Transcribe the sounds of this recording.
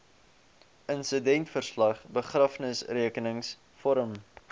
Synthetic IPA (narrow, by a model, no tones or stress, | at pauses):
ʔənsədɛntfərslɐχbəχrɐfnəsriəkənəŋs | fɔɾəm